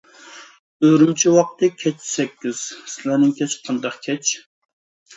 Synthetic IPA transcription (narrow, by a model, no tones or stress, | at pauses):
øɾymt͡ʃʰiwɑq̚t̪ɨkʲʰɛt͡ʃsɛkʲːiz̥sɪlænɪŋkʲɛt͡ʃqʰɑnd̪ɑqkʲʰɛt͡ʃʰ